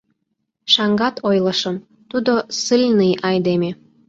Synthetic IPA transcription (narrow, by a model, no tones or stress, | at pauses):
ʃɑŋɡɑt̪ʰojləʃəm | t̪ud̪osɨlʲnijʔɑjd̪eme